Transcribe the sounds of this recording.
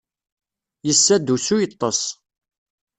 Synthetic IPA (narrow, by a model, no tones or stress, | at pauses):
jəsːæd̪usujət̪ˤːɑs